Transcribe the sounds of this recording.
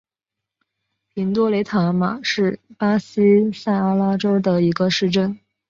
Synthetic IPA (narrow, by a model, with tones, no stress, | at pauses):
pʰi˧˥nt̪wɔ˥le˧˥ɪt̪ʰa˧˥ma̰˨˩ʂɻ̩˥˩pa˥s̩˥sa˥˩ɪa˥la˥ʈ͡ʂo˥ʊd̪ə˨i˧˥ɡə˧ʂɻ̩˥˧ʈ͡ʂə˥˩n